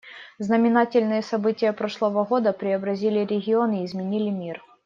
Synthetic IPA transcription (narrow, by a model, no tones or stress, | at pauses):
znəmʲɪnatʲɪlʲnɨjəsɐbɨtʲɪjəpɾo̞ʂlˠəvəɣo̞d̪əpɾʲɪɐbɾɐzʲilʲɪɾʲɪɣʲɪo̞nɪːzmʲɪnʲilʲɪmʲir